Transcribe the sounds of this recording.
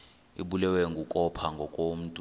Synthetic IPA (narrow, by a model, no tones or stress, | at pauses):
ḭɓulɛwɛŋɡʱukʼɔpʰaŋɡʱɔkʼom̩tʼ